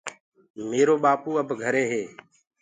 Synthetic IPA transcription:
meːɾoːɓaːpuːəbʱɡʱəɾeːɦeː

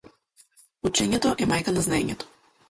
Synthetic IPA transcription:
ut͡ʃɛɲɛt̪ɔʔɛmajkanaznaeɲɛt̪ɔ̥

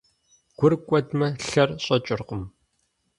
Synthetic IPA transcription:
ɡ̥ʷʊrkʷʼɔdmɐɬɐrɕʼɐt͡ʃʼɪrqʷʊm

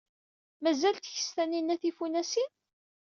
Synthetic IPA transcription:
mæzælt̪çə̥st̪æninæθifunæsin

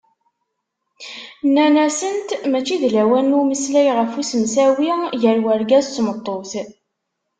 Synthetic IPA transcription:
nːænæsənt̪mæt͡ʃːiðlæwænːuməslæjʁəfusəmsæwiʝəɾwæɾɡæzsmət̪ˤːoθ

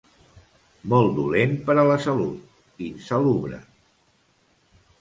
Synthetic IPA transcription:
mɔlˠd̪ulenpəɾələsəlṵt̪ | insəluβɾə̰

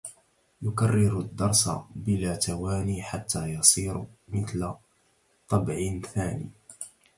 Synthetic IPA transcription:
jʊkɑrːɪɾʊd̪ːɑɾˤsa̰bɪlaːt̪awaːniːħat̪ːaːjɑsˤiːɾmɪθla | t̪ˤːɑbʕɪnθaːnḭː

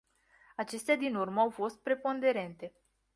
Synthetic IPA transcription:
at͡ʃe̞st̪ead̪inurməawfo̞st̪̚pɾe̞po̞nd̪e̞ɾe̞nt̪e̞

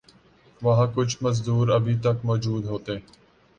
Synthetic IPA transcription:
ʋɐɦãːkʊd͡ʒʰʱməzd̪uːɾəbʱiːt̪əkmɔːd͡ʒuːd̪ɦoːt̪eː

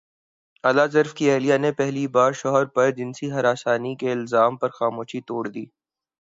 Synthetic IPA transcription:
ɐlazɐɾfkiɛːlijanepɛɦlibaːɾʃɔɦɾpɐɾd͡ʒɪnsiɦɐɾaːsaːnikeɪlzaːmpɐɾxaːmoːʃit̪oːɽd̪ḭː

